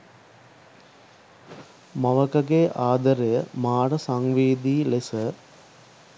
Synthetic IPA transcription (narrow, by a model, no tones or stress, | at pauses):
mɐʋəkəɡeːʔaːd̪əɾejəmaːɽəsaŋʋiːd̪iːlesə